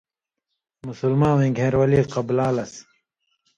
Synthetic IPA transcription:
musulmãːwẽːɡʱẽːɾwɐliːqɐblaːlɐs

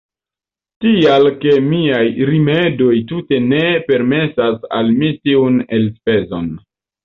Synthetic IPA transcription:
tialke̞miajɾimedo̞jtute̞ne̞pe̞ɾme̞sasa̰lmitiunelspe̞zo̰n

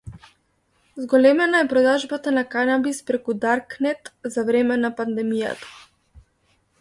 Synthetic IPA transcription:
zɡɔlɛmɛnaɛpɾɔd̪aʒbat̪anakanabispɾɛkud̪aɾknɛt̪zavɾɛmɛnapand̪ɛmija̰t̪ḁ

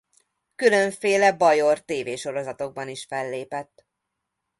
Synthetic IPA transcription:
kylø̞ɱfeːlɛbɒjo̞rt̪eːveːʃo̞ɾo̞zɒt̪o̞ɡ̚bɒniʃfɛlːeːpɛt̪ː

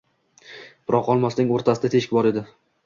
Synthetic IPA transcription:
bʊɾʔɒqɒlˠmasnɪŋoɾt̪ʰasɪd̪at̪ʰe̞ʃɪkʲbɒɾe̞d̪ɪ

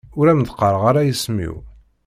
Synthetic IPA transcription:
ʊɾæmd̪qːɑɾʁaɾajismḭw

